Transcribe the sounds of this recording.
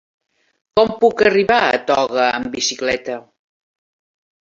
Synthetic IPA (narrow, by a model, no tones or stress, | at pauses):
kɔmpukəriβaə̰t̪ɔɣəːmbisiklɛt̪ə